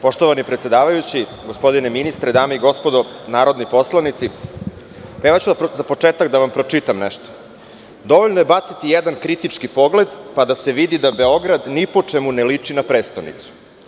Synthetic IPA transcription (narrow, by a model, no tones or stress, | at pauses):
po̞ʃt̪oʋanipɾet̪sje̞d̪aːʋajut͡ɕi | ɡospo̞d̪ineminist̪ɾed̪aːmeiɡo̞spod̪onaːɾo̞d̪nipo̞slˠanit̪si | peʋat͡ɕud̪zapo̞t͡ʂeːt̪akd̪aʋampɾo̞t͡ʂit̪amneʃt̪o̥ | d̪o̞ʋoʎnoje̞bat̪sit̪ijed̪ankɾit̪it͡ʂkipo̞ɡle̞d̪pad̪ase̞ʋid̪id̪abe̞o̞ɡɾad̪nipo̞t͡ʂemunelit͡ʂinapɾeːst̪onḭt̪su̥